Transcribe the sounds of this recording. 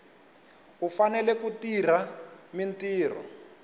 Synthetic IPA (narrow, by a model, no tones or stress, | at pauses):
ufanɛlɛkutir̤amintiːr̤ɔ̰